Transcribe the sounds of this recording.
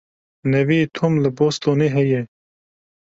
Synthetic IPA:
nɐviːt̪ʰomləboːst̪oːneːɦɛje

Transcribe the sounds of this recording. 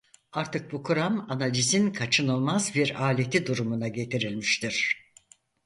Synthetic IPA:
aɾt̪ʰɯk̚bukʰuɾamanalʲizinkʰat͡ʃʰɯnɯlˠmazbiɾaːlʲe̞t̪ʰid̪uɾumunaɟe̞t̪ʰiɾilʲmiʃt̪ʰiɾ̝̥

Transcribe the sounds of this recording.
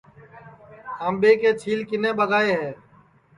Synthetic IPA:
əmbeːkeːt͡ʃʰiːlkɪnẽːɓəɡaːeːɦɛː

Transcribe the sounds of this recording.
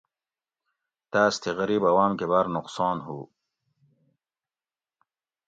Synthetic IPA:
t̪aːst̪ʰeɣɐɾiːbɐwaːmkebaɾnʊqsɑːnɦu

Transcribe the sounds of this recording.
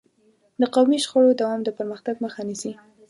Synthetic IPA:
d̪əqawmiʃxaɽod̪awɑmd̪əpəɾməxt̪aɡməxanisi

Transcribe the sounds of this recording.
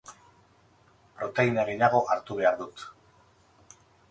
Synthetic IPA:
pɾo̞t̪e̞inaɣeʎaɣ̞o̞ʔaɾt̪uβe̞aɾðut̪

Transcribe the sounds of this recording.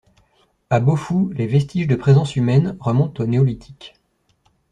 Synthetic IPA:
abofulevɛst̪iʒd̪əpχezɑ̃symɛnʁəmɔ̃t̪oneɔlit̪ʰi̥k

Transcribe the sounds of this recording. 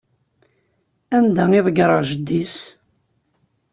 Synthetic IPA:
ænd̪æiðˤɡɾˤəʒəd̪ːis

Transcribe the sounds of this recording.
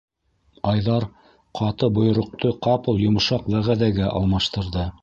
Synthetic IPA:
ɑjðɑɾ | qʰɑt̪ɤbŏj̆ɾŏq̚t̪oqɑpɤ̆lˠjŏm̆ʃɑqwæʁæðæɡæʔɑ̰lˠmɑʃt̪ɤ̆ɾðɤ

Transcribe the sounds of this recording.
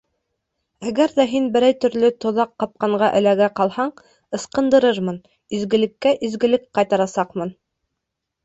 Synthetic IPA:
æɡæɾðæɦinbɘ̆ɾæjt̪ɵ̆ɾlɵt̪ŏðɑqːɑp̚qɑɴɢɑʔɘ̰̆læɡæqɑlˠhɑɴ | ɤ̆sqɤ̆nd̪ɤ̆ɾɤɾmɤn | ɵ̆zɡɘ̆lɘ̆kːæʔɵ̆zɡɘ̆lɘk̚qɑjt̪ɑɾɑsɑqmɤn

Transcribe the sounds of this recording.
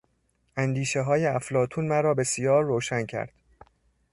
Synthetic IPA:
ʔænd̪iːʃeɦɒːjeæflɒːt̪ʰuːnmæɾɒːbe̞sijɒːɾːoːʃæncʰæ̰ɾd̪̥

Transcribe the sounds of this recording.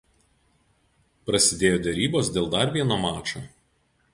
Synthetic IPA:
pɾɐsʲɪd̪ʲeːjoːd̪ʲɛɾʲiːboːsd̪ʲeːlˠd̪ɐɾʋʲiɛnoːmɑːt͡ʃoː

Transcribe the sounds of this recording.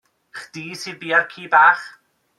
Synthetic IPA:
χd̥iːsiːðbiːarkʰiːbaːχ

